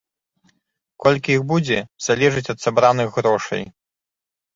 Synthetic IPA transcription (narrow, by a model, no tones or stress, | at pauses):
kɔlʲkʲiixbud͡zʲɛz̥alʲɛʐɨt͡sʲɐt̪sabɾanɨɣɣɾɔʂɐ̰j